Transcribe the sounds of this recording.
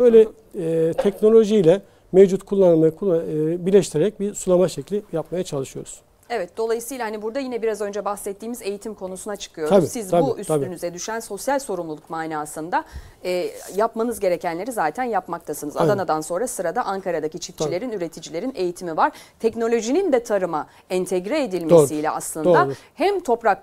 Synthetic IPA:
bøjlʲɛ | ɛt̪ʰɛcno̞lʲo̞ʒijlʲɛ | mevd͡ʒut̪kʰulˠːanmajakʰːbiɾlʲɛʃt̪iɾeɾɛc̚biɾsulˠamaʃɛclʲijapmajat͡ʃʰalˠɯʃɯjo̞̰ɾuz | evɛt̪̚d̪̥o̞lˠajɯsɯjlˠahanibuɾd̪ajinɛbiɾazø̞nd͡ʒɛbaxsɛt̪ʰːiːmize̞jit̪ʰimkʰo̞nusunat͡ʃʰɯ̥kʰɯjoɾisizb̪auʔysʰabiɾynyzɛd̪yʃænso̞sjalʲso̞ɾumlˠulˠukmaːnaːsɯnd̪a | ɛːjapmanɯzɟe̞ɾecʰænlʲe̞ɾizaːt̪ʰænjapmak̚t̪ʰasɯnɯzad̪anad̪anso̞nɾasɯɾad̪aʔaŋkʰaɾad̪acit͡ʃʰifʰilʲe̞ɾinyɾe̞t̪ʰid͡ʒilʲe̞ɾine̞jit̪ʰimivaɾ̥t̪ʰɛcno̞lʲo̞ʒinind̪ɛt̪ʰaɾɯma | ɛnt̪ʰɛɟɾɛed̪ilʲmesilʲɛ̰a̰slˠɯnod̪ahæmt̪ʰo̞pɾak

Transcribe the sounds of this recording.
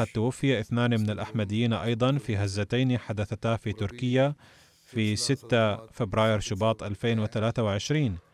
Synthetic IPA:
at̪ːawafːɪjaʔɪθnaːnimɪnalʔaħmad̪ɪjːiːnʔɑjd̪ˤɑnfiɦazːat̪ajniħad̪aθat̪aːfit̪ʊɾkɪjːa | fisɪt̪ːafɪbɾɑːjɪɾʃɪbɑːt̪ˤʔalfeːnwɪθalaːθawɪʕɪʃɾiːn

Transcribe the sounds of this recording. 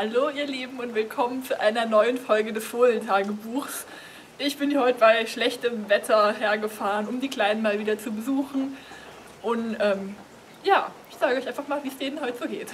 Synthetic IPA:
haloːʔiːɐleːbm̩ʊntv̥ɪlkʰɔmənt͡suʔa̰ɪnɐnɔʏənfɔlɡədɛsfoːntʰaːɡəbuːxs | ʔɪçb̥ɪnjiːɐhɔʏtəbaɪʃlɛçtəmvɛtʰɐɦeːɐɡəfaːʁənʊmdiːkl̥aɪnənmaːlviːdɐt͡subəzuːxn̩ | ʔʊntʔɛːm | jaːʔɪçz̥aːɡəʔɔʏçʔaɪnfaχmaːlviːsd̥eːnənɦɔʏtəz̥oːɡeːt

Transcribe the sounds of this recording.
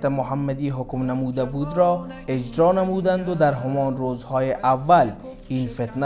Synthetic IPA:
t̪ɪmʊɦamːad̪iːɦʊkmnamud̪abuːd̪ɾɔ | ɪd͡ʒɾɔːnamuːd̪and̪ʊd̪aɾɦʊmɔːnɾoːzhɔːjeʔavːal | iːnfɪt̪na

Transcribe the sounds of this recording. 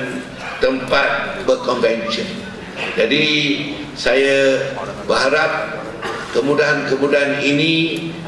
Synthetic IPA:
n | t̪əmpat̪̚bəkɔnvɛnsiən | d͡ʒadi | sajabəɦaɾap̚ | kəmũdaɦankəmũdaɦaninĩ

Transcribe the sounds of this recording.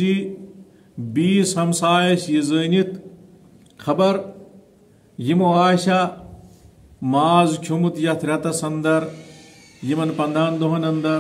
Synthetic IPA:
i | biːsɐmsaːjɐʃjizəːnit̪ | xʰɐbɐɾ | jimoaːɕa | maːzkʲʰumut̪jɐt̪ʰɾʲɐt̪ɐsɐnd̪ɐɾ | jimɐnpɐnd̪ʱaːnd̪oɦɐnɐnd̪ɐɾ

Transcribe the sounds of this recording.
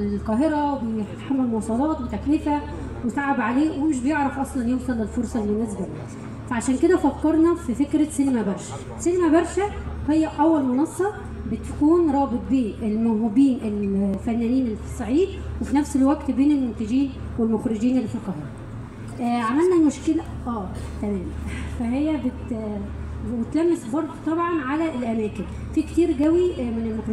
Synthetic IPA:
lqɑːɦeɾæwbet̪ħamːælmowsˤɑlɑːt̪wbet̪æknifæ | wesaʕabʕaleːwemeʃ̬bejeʕɾˤɑfʔɑsˤlɑnjoːmkɑlelfoɾˤsˤɑlːinæzbæmæ | fæʕaʃæːnked̪æfækːɑɾˤnɑfifekɾæsinemæbɑɾˤʃæ̥ | sinemæbɑɾˤʃæhejːæʔæwːælmonɑsˤːɑ | bet̪kuːnɾˤɑːbet̪̚ˤbeːnelmæwɦubiːnʔelfænːæːniːnelefɑ̥sˤːʕiːd̪̚wefinæfselwæɡt̪beːnelmont̪æd͡ʒiːn | welmoxɾɪd͡ʒiːnelːfɑqɑhɑː | ʔʕamælnæmoʃkelæ | ʔæːt̪æmæːmfæɦejːæbet̪ | wet̪læmːesbɑɾˤd̪ˤt̪ˤɑbʕɑnʕalæelʔæmæːken | fikt̪iːɾɡæwimenelmoxɾ

